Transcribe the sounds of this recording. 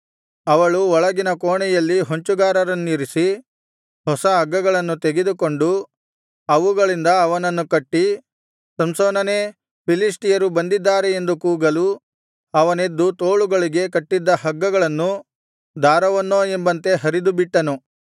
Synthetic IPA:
ɐʋɐɭuɔɭɐɡinɐkoːɳɛjɐlːiɦoɲt͡ʃuɡaːɾɐɾɐnːiːɾisi | hɔsɐɦɐɡːɐɡɐɭɐnːut̪eɡed̪uko̞ɳɖu | ɐʋuɡɐɭind̪ɐːʋɐnɐnːukɐʈːi | sɐmsoːnɐneː | pʰilisʈijɐɾubɐnd̪id̪ːaːɾeend̪ukuːɡɐlu | ɐʋɐne̞d̪ːut̪oːɭuɡɐɭiɡe̞kɐʈːid̪ːɐhɐɡːɐɡɐɭɐnːu | d̪aːɾɐʋɐnːoːembɐnt̪e̞ɦɐɾid̪ubiʈːɐnu

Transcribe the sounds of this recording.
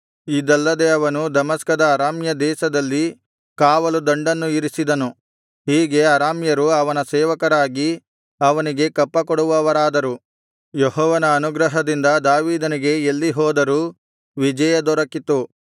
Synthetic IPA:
id̪ɐlːɐd̪e̞ɐʋɐnud̪ɐmɐskɐd̪ɐːɾaːmjɐd̪ɛːʃɐd̪ɐlːi | kaːʋɐlud̪ɐɳɖɐnːuiɾisid̪ɐnu | ɦiːɡe̞ɐɾaːmjɐɾuɐʋɐnɐsɛːʋɐkɐɾaːɡi | ɐʋɐniɡe̞kɐpːɐkɔɽuʋɐʋɐɾaːd̪ɐɾu | jeɦɔːʋɐnɐːnuɡɾɐɦɐd̪ind̪ɐd̪aːʋiːd̪ɐniɡe̞elːiɦɔːd̪ɐɾuː | ʋid͡ʒɐjɐd̪ɔɾɐkit̪ːu

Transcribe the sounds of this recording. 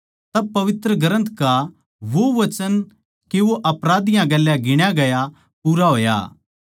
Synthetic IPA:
t̪ɐb̚pɐʋɪt̪ɾəɡɐɾə̃nt̪ʰka | ʋoʋɐt͡ʃən | keʋoʔɐpɾaːd̪ɪjãɡɐlːjãɡɪɽ̃jaɡɐja | puːɾaɦoːja̰ː

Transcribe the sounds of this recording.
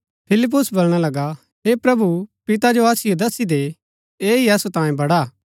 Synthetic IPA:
pʰɪlɪp̬ːʊsbolɽ̃alɐɡa | ɦepɾɐbupɪt̪ad͡ʒoaːsɪjod̪ɐsid̪e | eːiɐsut̪ãːjẽbɐɽa

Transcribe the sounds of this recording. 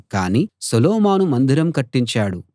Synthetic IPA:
kaːniːsɐlɔːmaːnumɐnd̪iɾɐmkɐʈːiɲt͡ʃaːɽu

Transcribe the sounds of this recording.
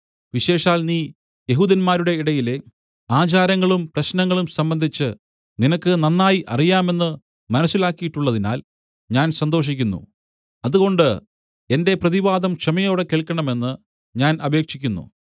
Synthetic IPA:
ʋiɕe̞ːʂaːlniː | je̞ɦuːd̪ɐnmaːɾuɽe̞iɽɐjile̞ | aːt͡ɕaːɾɐŋːɐɭumprɐɕnɐŋːɐɭumsɐmbɐnd̪ʱit͡ɕːɨ | ninɐkːɨnɐnːaːjiʔɐ̰rijaːme̞nːɨ | mɐnɐsːilaːkːijiʈːuɭːɐðina̰ːl | ɲaːnsɐnd̪o̞ːʂ̬ikʲːunːṵ | ɐðuɣo̞ɳɖɨ | e̞nde̞prɐðiʋaːd̪ɐmkʂɐmɐjoːɽe̞keːɭkːɐɳɐme̞nːɨ | ɲaːnɐbe̞ːkʂikʲːunːṵ

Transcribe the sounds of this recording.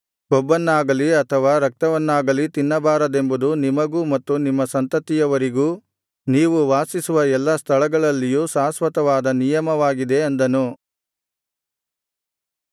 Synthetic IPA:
ɡɔbːɐnːaːɡɐliɐt̪ʰɐʋaːɾɐk̚t̪ɐʋɐnːaːɡɐlit̪inːɐbaːɾɐd̪e̞mbud̪unimɐɡuːmɐt̪ːunimːɐsɐnt̪ɐt̪ːijɐʋɐɾiɡuː | niːʋuʋaːsisuʋɐɛlːɐst̪ʰɐɭɐɡɐɭɐlːijuːsaːsʋɐt̪ɐʋaːd̪ɐnijɐmɐʋaːɡid̪e̞ɐnd̪ɐnu

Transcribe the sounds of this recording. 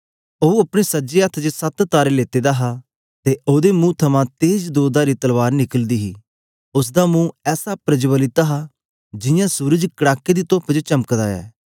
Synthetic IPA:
oːɐpɽ̃esəd͡ʒeːət̪ʰd͡ʒəsɐt̪t̪aːɾeleːt̪eːd̪aːɦa | t̪eʔoːd̪emũːt̪ʰəmãt̪eːd͡ʒd̪oːd̪aːɾit̪əlʋaːɾnɪkəld̪iːɦiː | ʊs̬d̪aːmũːɛːsapɾəd͡ʒbəlɪt̪aːɦa | d͡ʒɪjãːsuːɾəd͡ʒkəɽaːkːed̪iːt̪oːpd͡ʒt͡ʃəməkd̪a̰ːɛ̰ː

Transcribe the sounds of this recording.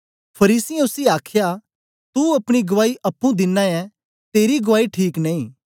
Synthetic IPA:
pʰɐɾiːsiɛ̃ʊsiaːkʰja | t̪uɐpɽ̃iɡɐʋaːiʔɐpːũd̪ɪnːãjɛ̃ | t̪eːɾiɡɐʋaːiʈʰiːknẽːĩː

